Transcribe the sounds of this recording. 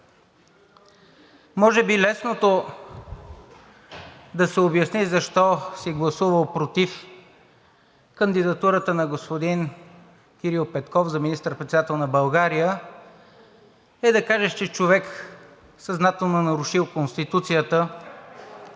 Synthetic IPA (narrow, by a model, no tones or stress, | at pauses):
mɔʒɛbilɛsnot̪o | d̪ɐsɛobjɐsnizɐʃt̪ɔsɛɡlˠɐsuvəlˠpɾot̪if | kənd̪id̪ɐt̪uɾət̪ənɐɡospod̪in | kʲiɾilˠpɛt̪kɔfzɐminist̪əɾpɾɛt̪sɛd̪at̪ɛlˠnɐbɐlˠɡaɾijə | ɛd̪ɐkaʒɛt͡ʃɛt͡ʃovɛk | sɐznat̪ɛlˠnonɐɾʊʃilˠkonst̪it̪ut̪sijət̪ə